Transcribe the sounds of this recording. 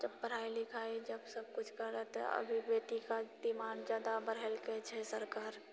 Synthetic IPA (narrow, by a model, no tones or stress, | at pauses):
d͡ʒɐbpɐɾ̤aːilɪkʰaːed͡ʒɐbsɐb̚kʊt͡ʃʰkɐɾːət̪ɐ̰bʱibeːt̪ikad̪ɪmaːnd͡ʒaːd̪abəɾɦɛlkɛt͡ʃʰɛsɐɾkaːɾ